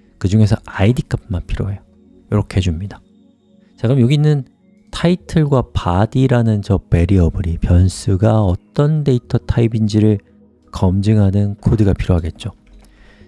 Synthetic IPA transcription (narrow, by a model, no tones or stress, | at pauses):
kɯd͡ʑuŋe̞sʰʌaidik͈ʰap̚manpʰiɾjoɦejo | joɾʌkʰeɦed͡ʑumɲida | t͡ɕaɡɯmjoɡinɯn | tʰaitʰɯɭɡwapadiɾanɯnt͡ɕʌppe̞ɾiʌbɯɾipjʌns͈ʰuɡaʌt͈ʌnde̞itʰʌtʰaibind͡ʑiɾɯɭ | kʌmd͡ʑɯŋɦanɯnkʰodɯɡapʰiɾjoɦaɡe̞t̚t͡ɕ͈o